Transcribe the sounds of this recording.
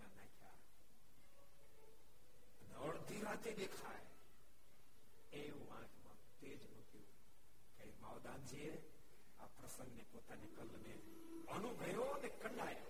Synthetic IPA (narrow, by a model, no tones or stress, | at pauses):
anakʰa̰ | əneəɭd̪ʱiɾat̪eɗ̪ekʰaj | ejũʋãːd͡ʒmã̰t̪eːd͡ʒmukjũ | kaɾimaːʋd̪aːnd͡ʒee | a̰pɾəsə̃ŋɡnepoːt̪anekəlne | ənuɡʱəjonekəɳɖaːj